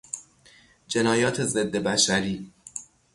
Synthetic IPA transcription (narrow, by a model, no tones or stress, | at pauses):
d͡ʒe̞nɒːjɒːt̪ʰe̞ze̞d̪ːe̞bæʃæɾiː